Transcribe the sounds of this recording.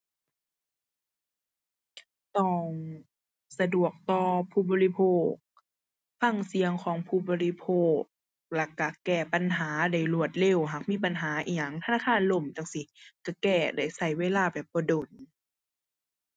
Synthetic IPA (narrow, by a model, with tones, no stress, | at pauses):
t̪ɔː˧˩ŋ | sa˧du˨˩ək̚t̪ɔː˧pʰuː˧˨bɔː˧li˧˩pʰoː˧˩k̚ | fa˧˥˨ŋsi˨˦əŋkʰɔː˨˦ŋpʰuː˧˩bɔː˧li˧pʰoː˧˥˩k̚ | la˧˩kːa˧˩kɛː˧˩pa˧˨nɦaː˨˦da˧˩jlu˧˩ət̪̚le˧˩˨wɦaː˨˩k̚miː˧˥˨pa˨nɦaː˨˦ʔiː˧˩ɲa˨˧˩ŋt̪ʰa˧naː˧˨˩xʰaː˧˥˨nlo˧˩˨mt̪a˧˨ŋsi˧˦ka˧˩kɛː˧˩da˧˩jsa˧˩jweː˧˨laː˧˥˨bɛː˨˩p̚bɔː˧˦do˨˩n